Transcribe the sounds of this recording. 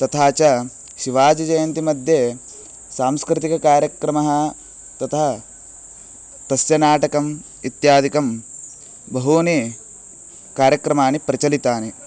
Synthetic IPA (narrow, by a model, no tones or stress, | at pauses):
t̪ɐt̪ʰaːt͡ʃɐ | ʃiʋaːd͡ʒɐd͡ʒɐjɐnt̪imɐd̪ʱje | saːmskɾit̪ikɐkaːɾjɐkɾɐmɐɦɐ̆ | t̪ɐt̪ʰɐɦɐ | t̪ɐsjɐnaːʈɐkɐm | it̪jaːd̪ʱikɐm | bɐɦuni | kaːɾjɐkɾɐmaːnipɾɐt͡ʃɐlit̪aːne